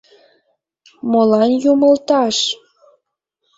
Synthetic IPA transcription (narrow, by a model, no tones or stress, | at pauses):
molɑnjumə̆lt̪ɑʃ